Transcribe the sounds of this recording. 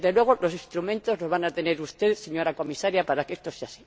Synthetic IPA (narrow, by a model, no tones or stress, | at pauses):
ðelwe̞ɣ̞o̞lo̞sist̪ɾumẽnt̪o̞zno̞zβanat̪e̞ne̞ɾust̪e̞ðse̞ɲo̞ɾako̞misaɾjapaɾake̞st̪o̞se̞asi̥